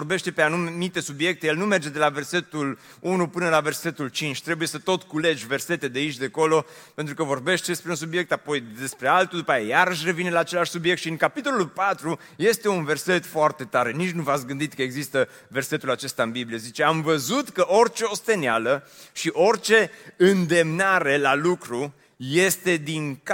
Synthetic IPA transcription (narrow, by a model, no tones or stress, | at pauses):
orbe̞ʃt̪e̞peanummit̪e̞subje̞k̚t̪eje̞lnume̞rd͡ʒe̞d̪e̞lave̞rse̞t̪ul | unupɨnəlave̞rse̞t̪ult͡ʃint͡ʃʲt̪ɾe̞buje̞sət̪o̞t̪kule̞d͡ʒʲve̞rse̞t̪ed̪eait͡ʃʲd̪e̞ko̞lo̞pe̞nt̪ɾukəvo̞rbe̞ʃt̪espɾeuns̬ubje̞k̚t̪apo̞jd̪e̞spɾe̞alt̪ud̪upajajaɾəʃ̬re̞vinelaːt͡ʃe̞laʃʲsubjekt̪ʃiɨŋkapit̪o̞lulpat̪ɾu | je̞st̪e̞unve̞rse̞t̪foart̪e̞t̪aɾe̞nit͡ʃʲnuvat̪sɡɨnd̪it̪̚kəe̞ɡzist̪ə | ve̞rse̞t̪ulat͡ʃe̞st̪aɨnbiblijezit͡ʃe̞amvəzut̪kəʔo̞rt͡ʃe̞o̞st̪e̞nealəʃiʔo̞rt͡ʃe̞ɨnd̪e̞mnaɾe̞lalukɾu | je̞st̪e̞d̪iŋk